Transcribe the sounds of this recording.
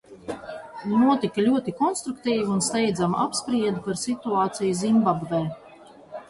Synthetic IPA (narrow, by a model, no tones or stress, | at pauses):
nuɔt̪ikalʲuɔt̪ikɔnst̪ɾukt̪iːviunst̪ɛjd̪zamʔapspɾiɛd̪upaɾsit̪uaːt̪sijuzimbabvɛː